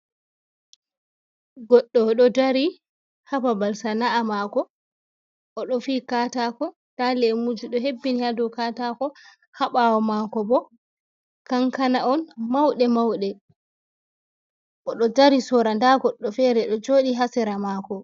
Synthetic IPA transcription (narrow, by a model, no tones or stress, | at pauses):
ɡɔɗːɔɗɔdaɾi | hababalsanaamakɔ | ʔɔɗɔfiːkaːtakɔ | talɛmud͡ʒuɗɔɦebːinihadɔkatakɔ | haɓawɔmakɔbɔ | kaŋkanaʔɔnmawɗɛmawɗɛ | ʔɔɗɔdaɾisɔɾandaɡɔɗːɔfɛɾɛɗɔd͡ʒoːɗiɦasɛɾamaːkɔ